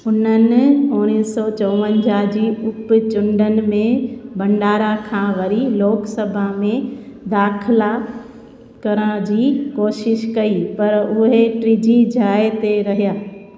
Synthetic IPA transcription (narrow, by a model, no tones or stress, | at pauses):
ʊnənɪ̆ʊɽ̃iːsɔt͡ɕɔːʋə̃nd͡ʑad͡ʑiːʊpt͡ɕʊ̃ɳɖənɪ̆mẽbɐ̃ɳɖaːɾakʰãːʋɐɾiloːksəbʱamẽd̪aːkʰɪla | kɐɾə̃d͡ʑiːkoːʃɪʃkɐipɐɾʊɦeʈɾiːd͡ʑid͡ʑʱaːet̪eɾɐɦijaː